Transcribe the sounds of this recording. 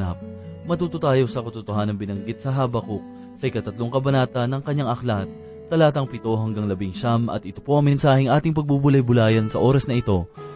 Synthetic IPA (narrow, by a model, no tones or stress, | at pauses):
na̰p̚mɐt̪uːt̪ʊt̪aːjo̞sɐkɐt̪ʊt̪ohanɐŋbɪnɐŋɡɪt̪̚sɐɦaːbɐkuk̚ | sɐʔɪkɐt̪ɐt̪loŋkɐbɐnaːt̪ɐnːɐŋkɐɲːaŋʔɐklat̪̚ː | ɐlaːt̪ɐŋpɪt̪o̞ɦɐŋɡaŋlɐbɪŋʃamɐ̰t̪̚ʔɪt̪opo̞ʔɐŋmɛnsaːhɪŋʔaːt̪ɪŋpɐɡ̚bubʊlɐjbʊlaːjɐnsɐʔo̞ːɾɐsnɐʔɪt̪o̞